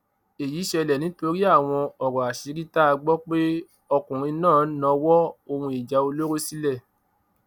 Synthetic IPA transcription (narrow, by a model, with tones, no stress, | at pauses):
e˨ji˨˦ʃɛ˧lɛ˨nĩ˨˦to˧ɾi˦a˦˨w̃ɔ̃˧ɔ˨ɾɔ˨a˨ʃi˨˦ɾi˦ta˦a˧ɡ͡bɔ˦k͡pe˦ | ɔ˧kũ˨ɾ̃ĩ˧nãː˦˨˦nã˧wɔ˦o˧hũ˧i˨d͡ʒa˨˦o˧lo˦ɾo˦si˦lɛ˦˨